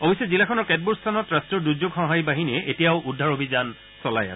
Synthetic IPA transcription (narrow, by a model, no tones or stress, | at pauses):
obisɛzilakʰɔnɔɹkɛt̚buɹstʰanɔtɹastɹɔɹduzoɡxɔ̃ɦajbaɦiniɛʔetijaʊʔudʱːaɹobʱizan | sɔla̰jasɛ